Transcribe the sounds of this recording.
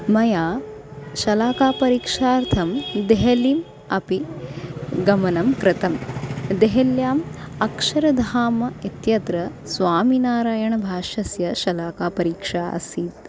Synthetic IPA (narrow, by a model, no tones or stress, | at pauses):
mɐjaːʃɐlaːkaːpɐɾiːkʂaːɾt̪ʰɐmd̪eɦɐlim | ɐpi | ɡɐmɐnɐmkɾɪt̪ɐmd̪eɦɐljaːmɐkʂɐɾɐd̪ʱaːmɐit̪jɐd̪ɾɐ | sʋaːminaːɾaːjɐɳɐbʱaːʃɐsjɐʃɐlaːkaːpɐɾiːkʂa̰ːsiːt̪